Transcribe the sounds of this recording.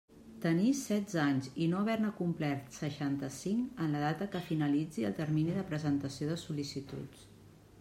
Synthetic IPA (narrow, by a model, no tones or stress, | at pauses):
t̪ənisɛd̪d͡zaɲzinoəβɛɾnəkumplɛrt̪səʃant̪əsiŋkənləð̞at̪əkəfinəlid͡ziə̰lˠt̪əɾminiðəpɾəzənt̪əsioðəsulisit̪ṵt͡s